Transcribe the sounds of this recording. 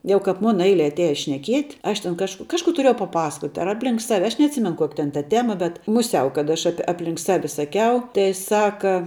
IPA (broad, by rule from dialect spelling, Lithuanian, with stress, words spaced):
ˈjɛʊ kɐp ˈmʊnɐ ˈɛɪlʲɛ ɐtʲˈæːjɛ ʃʲnʲɛˈkʲiɛtʲ ˈɐʃ tʲɛn ˈkɐʃk ˈkɑːʃˌkuː tʊˈrʲiɛjɛʊ pɐˈpɑːsɐkoːtʲ ɐr ˈɑːpʲˌlʲɪŋk ˈsɑːʋʲɪ ˈɐʃ nʲɛɐtʲˈsʲɪmʲɛn ˈkoːkʲɪ tʲɛn tɐ ˈtʲæːmɐ bʲɛt mʊˈsʲɛʊ kɐt ˈɐʃ ˈɑːpʲɪ ˈɑːpʲˌlʲɪŋk ˈsɑːʋʲɪ sɐˈkʲɛʊ tɐɪ ˈsɑːkɐ